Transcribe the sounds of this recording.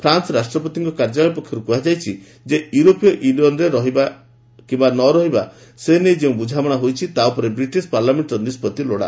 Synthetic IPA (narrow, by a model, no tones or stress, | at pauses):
pʰɾansɔɾasʈɾɔpɔt̪iŋkɔkaɾd͡ʒalɔɭpɔkʰjɔɾukuɦad͡ʒajt͡ʃʰi | d͡ʒejuɾopijɔʔilɔnɾeɾɔɦiba | kimbanɔɾɔɦiba | senejd͡ʒeũbud͡ʒʱamɔɽ̃aɦojt͡ʃʰit̪awpɔɾebɾiʈispaɾlameɳʈɔnispɔt̪iloɽa̰